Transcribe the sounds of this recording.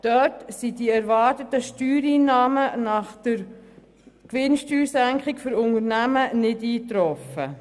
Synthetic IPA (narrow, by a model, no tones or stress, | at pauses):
d̥œtsidiɛɾʋɑːɾtətəʃtyːɾiːnɑːmənɑχd̥̪əɾ | kʋɪnʃtyːɾsæŋkχɪkfʏɾʊŋəɾnæmənɪdiːtɾɔfə